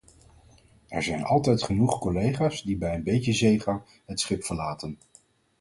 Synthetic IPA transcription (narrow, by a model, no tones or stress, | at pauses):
ɛɹzɛjnɑ̰lˠtɛjtχənuχkɔlejχaːsdibɛjənbejcəzejχɑŋ | ɦətsχɪpfəɹlaːtən